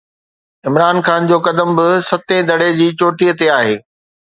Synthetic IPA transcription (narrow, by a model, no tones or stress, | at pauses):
ɪmɾaːnxaːnd͡ʑoːkɐd̪əmbɪsɐt̪ẽd̪ʱɐɽed͡ʑiːt͡ɕoːʈijət̪eaːɦeː